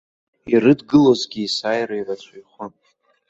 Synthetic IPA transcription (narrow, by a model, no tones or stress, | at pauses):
irɨdɡɨlozɡʲiːsaːjrairat͡ʃʷʰajχʷan